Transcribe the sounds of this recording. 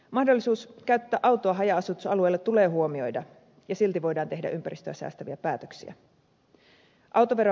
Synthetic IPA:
mɑhdo̞lːisuːskæyt̪ːæːʔɑwt̪ˑoɑɦɑjɑɑsut̪usɑlue̞jlːet̪t̪ule̞ːɦuo̞mio̞jdɑ | jɑsilt̪iʋo̞jdɑːnt̪e̞hdæ̰ʔympæɾist̪øæsæ̰ːst̪æʋiæpæːt̪øksḭæ̰ | ʔɑwt̪oʋeɾo

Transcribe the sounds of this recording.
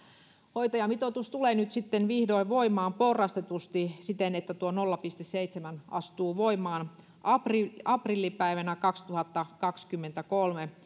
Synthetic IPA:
hoit̪ɑjɑmit̪ot̪ust̪uleːnyt̪sit̪ːenʋihdoiʋoimɑːmporːɑst̪et̪ust̪isit̪enet̪ːæt̪uonolːɑpist̪esseit̪semænɑ̰st̪uːʋoimˑɑːn | ɑpriɑprilːipæiʋænækɑkst̪uhɑt̪ːɑkɑkskymːent̪ækolme

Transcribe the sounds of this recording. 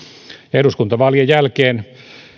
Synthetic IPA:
ehruskunt̪ɑʋɑljejjælkeːn

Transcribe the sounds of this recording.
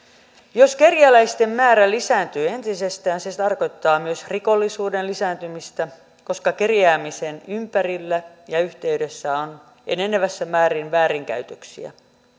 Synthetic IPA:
jo̞ske̞rjælæist̪e̞mːmæːɾælisæːnt̪yːe̞nt̪ise̞st̪æːnset̪ɑrko̞jt̪ːɑːmyøsriko̞lːisuːdenlisæːnt̪ymist̪æ | ko̞skɑkerjæːmise̞nympærilːæjɑyht̪e̞ydesːæon | ḛneneʋæsːæmæːɾinʋæːɾiŋkæ̰yt̪øksḭæ̰

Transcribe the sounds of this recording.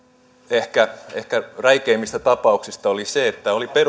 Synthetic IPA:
ehkæḛhkæræikeːmːist̪æt̪ɑpɑuksist̪ɑoliseet̪ːæoliper

